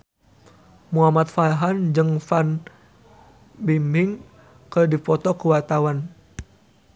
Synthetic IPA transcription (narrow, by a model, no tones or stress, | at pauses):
muɦamat̪̚faɦand͡ʒɨŋfan | bimɪŋ | kərdipɔt̪ɔkuwart̪awan